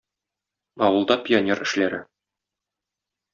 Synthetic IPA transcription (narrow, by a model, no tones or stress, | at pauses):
ɒwɤ̆lˠd̪ɑpʲɪonʲerɘ̆ʃlæɾɘ